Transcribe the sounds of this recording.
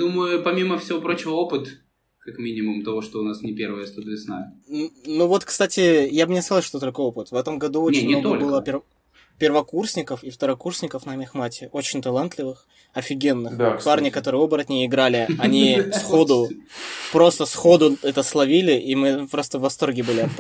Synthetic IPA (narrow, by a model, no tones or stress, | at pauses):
d̪uməjʊpɐmʲiməfsʲɪvopɾo̞t͡ɕɪvəopɨt̪ | kakmʲinʲɪmʊmt̪ɐvo̞ʂt̪oʊnasnʲɪpʲeɾvəjəst̪od̪vʲɪsna̰ | nuvo̞t̪kst̪atʲɪjabɨnʲɪskɐzlˠʂt̪ot̪olʲkəo̞pɨt̪vɛt̪əmɡɐd̪uot͡ɕʲɪnmnot̪olʲbɨlˠəpʲɪr | pʲɪrvɐkursʲnʲɪkəfift̪əɾɐkursʲnʲɪkəfnamʲɪxmatʲɪo̞t͡ɕɪnʲt̪ɐlˠant̪lʲɪvɨx | ɐfʲɪɡʲenːɨxd̪aparnʲɪkɐt̪o̞ɾɨəo̞bəɾɐt̪nʲejɪɡɾalʲɪɐnʲisxo̞d̪ʊpɾo̞st̪əsxo̞d̪ʊɛt̪əslˠɐvʲilʲɪʔimɨpɾo̞st̪əvːɐst̪o̞rɡʲɪbɨlʲɪɐ